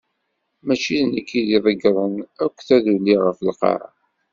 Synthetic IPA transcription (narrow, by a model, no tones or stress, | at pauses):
mæt͡ʃinəkːiðiðˤəɡɾˤənækʷːθæðulːiʁəfəlqɑ̰ɾˤɑ̰